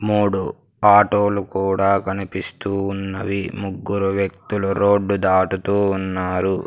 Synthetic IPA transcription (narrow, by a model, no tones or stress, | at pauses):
muːɽu | aːʈoːlukuːɽaːkɐnipist̪uːnːɐʋimuɡːuɾuʋjɐk̚t̪uluɾoːɖːud̪aːʈut̪uːnːaːɾu